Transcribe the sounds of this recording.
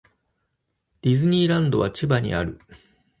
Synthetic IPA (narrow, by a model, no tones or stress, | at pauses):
d̪̥ʲizɨɲ̟ʲiːɾãnd̪o̞βat͡ɕibaɲ̟ḭaɾɯ̟